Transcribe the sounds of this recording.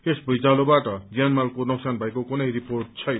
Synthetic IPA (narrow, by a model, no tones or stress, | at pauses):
esbʌjd͡zalobaʈʌd͡zjanmalkonʌksanbʱʌekokunʌjɾiporʈ̚t͡sʰʌj